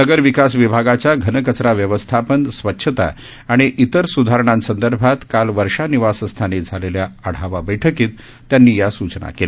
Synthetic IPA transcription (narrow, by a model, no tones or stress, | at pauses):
nəɡəɾʋikasʋibʱaɡat͡ɕjaɡʱənəkət͡sɾaʋjəʋəst̪ʰapənsʋətːɕʰət̪a̰ː | ɽ̃iʔit̪əɾsud̪ʱaɾəɳ̃ãnsənd̪əɾbʱat̪kalʋəɾʂaniʋasəst̪ʰaned͡zʱaleljaəɽ̤aʋabəjʈʰəkiːt̪ː | janːiːjasut͡ɕna̰kela